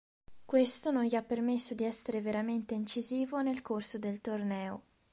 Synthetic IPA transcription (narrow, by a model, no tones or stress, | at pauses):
kwest̪ononʎiapːermesːod̪iɛsːeɾeveɾament̪eint͡ʃiziːvonelkorsod̪elt̪ornɛːo